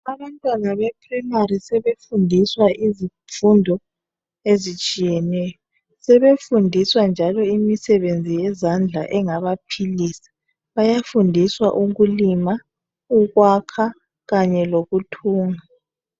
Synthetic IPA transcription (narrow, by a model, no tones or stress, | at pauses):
aβantʼwanaβɛpʰrimaɾisɛβefundʱiswaʔizi | fundʱɔ | ezit͡ʃʼijɛnɛjɔ | sɛβefundʱiswand͡ʒʱalɔimisɛβend͡zʱijɛzand͡ɮʱaʔɛŋaβapʰiliːsḁ | βajafundʱiswaʔuɣulima | uɣwakʰa | ɣaɲɛloɣutʰuːŋa